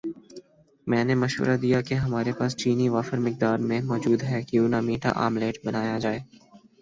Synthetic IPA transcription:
mɛ̃ːnemɐʃʋə̰ɾʔad̪ijakeɦɐmaːɾepaːst͡ʃiːniʋaːfəɾmɪk̚d̪aːɾmẽmɔːd͡ʒuːd̪ɦɛkiuʊnamiːʈa̰ʔa̰ːmleːʈbɐnaːjad͡ʒaːeː

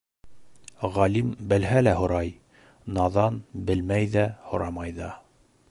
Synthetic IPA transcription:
ʁɑlimbɘ̆lɦælæhŏɾɑj | nɑðɑnbɘlmæjðæhŏɾɑmɑjðɑ

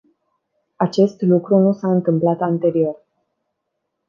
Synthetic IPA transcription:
at͡ʃe̞st̪lukɾunusaɨnt̪ɨmplat̪ant̪e̞ɾio̞r

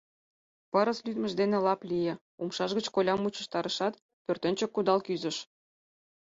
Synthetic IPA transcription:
pɑɾəslyd̪mə̆ʒd̪enelɑplʲijĕ | umʃɑʒɣət͡ɕkolʲɑmːut͡ɕə̥̆ʃt̪ɑɾə̆ʃɑt̪ | pørt̪ənʲt͡ɕə̆kːud̪ɑlkyzə̆ʃ

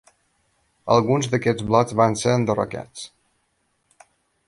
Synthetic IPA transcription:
ə̰lˠɣunzðəkɛd͡zβlɔd͡zβanseɾənd̪ərə̰ka̰t͡s

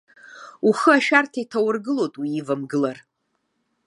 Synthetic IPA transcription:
uχɨaʃᶣartʰaitʰawʊrɡɨlotʼwiːvamɡɨlar

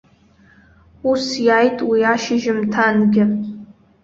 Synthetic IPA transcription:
usjajtʼwiaʃɪʒɪmtʰanɡʲɪ

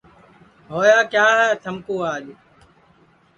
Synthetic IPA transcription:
ɦoːjaːkjaːɦɛːt̪ʰəmkoːaːʄ

